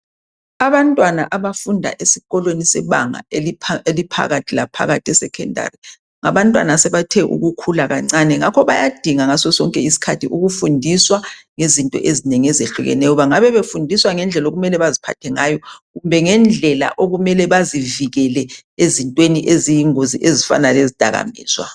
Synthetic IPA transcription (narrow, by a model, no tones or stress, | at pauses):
aβantʼwanaʔaβafundʱa̰ʔesiɣɔlwenisɛβa̰ŋa̰elipʰa̰ɣatʰilapʰa̰ɣatʰɛsɛkʰɛnda̰ri | ŋaβantʼwa̰nasɛβatʰɛʔṵɣukʰulaɣa̰ŋ͡ǀanɛŋakʰɔβajad̥ʱiŋaŋasɔsɔŋkʼɛisi̥kʰatʰiʔuɣufundʱiswaŋezintʼɔ̰ʔezineŋiɛzeɬuɣɛ̰nɛjɔβaŋaβɛβefundʱiswaŋɛnd͡ɮʱɛloɣumɛlɛβazipʰa̰tʰɛŋajɔɣumbʱɛŋɛnd͡ɮʱɛla̰ʔoɣumɛlɛβaziviɣɛlɛ | ezintʼweniʔezijiŋoziʔezifa̰nalezid̥ʱaɣa̰mḭːswa̰